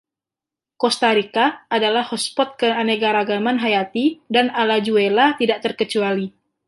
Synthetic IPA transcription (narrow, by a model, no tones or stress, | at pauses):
kɔst̪aɾikaːdalahhɔspɔt̪̚kəaneɡaɾaɡamanɦajat̪idanalad͡ʒuelat̪idaʔ̚t̪ərkət͡ʃuali